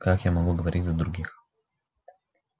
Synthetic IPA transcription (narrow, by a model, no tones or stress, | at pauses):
kakjamɔɡlˠəɡovɔɾit̪ʲzɐd̪ɾuɡix